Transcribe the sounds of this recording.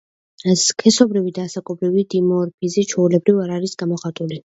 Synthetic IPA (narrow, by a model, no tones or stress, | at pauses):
ɛskʰɛsɔbɾivid̪aːsakʼɔbɾivid̪imɔɾpʰizɛt͡ʃʰɛulɛbɾivaɾaɾisɡ̥amɔχat̪ʼuli